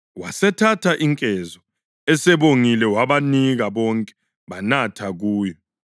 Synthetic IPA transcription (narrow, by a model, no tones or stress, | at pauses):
wasɛtʰatʰaʔiŋkʼɛzɔ | ɛsɛβoŋilɛwaβaniɣaβɔŋkʼɛ̥ | βanatʰaɣuːjɔ